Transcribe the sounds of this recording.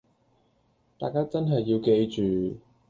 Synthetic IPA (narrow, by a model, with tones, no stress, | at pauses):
t̪a̰ː˨jkaː˥t͡sɐ˥nɦɐ˨jːiː˧wke˧jt͡ʃyː˨˩